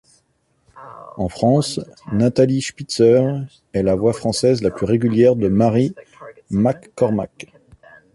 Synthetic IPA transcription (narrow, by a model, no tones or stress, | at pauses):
ɑ̃fχɑ̃snat̪aliʃpit̪sœʁ | ɛlavwafχɑ̃sɛzlaplyʁeɡʲyljɛʁd̪əmaʁi | makːɔʁma̰k